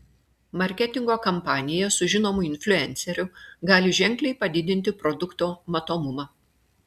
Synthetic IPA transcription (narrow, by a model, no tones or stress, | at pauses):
mɐɾʲkʲɛt̪ʲɪŋɡoːkɐmpɑːnʲɪjɛsʊʒʲɪnoːmʊɪnʲfʲlʲʊɛnʲsʲɛɾʲʊɡɑːlʲɪʒʲɛŋʲˑklʲɛɪpɐd̪ʲɪd̪ʲɪnʲt̪ʲɪpɾɔd̪ʊkt̪oːmɐt̪oːmʊmɑː